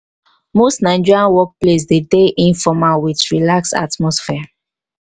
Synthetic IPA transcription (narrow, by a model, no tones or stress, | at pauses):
mostnãɪ̃nd͡ʒiɹiãnwɔk̚ples̬dedeʔĩnfɔmawit͡ʃɹilaksa̰tmɔsfɛ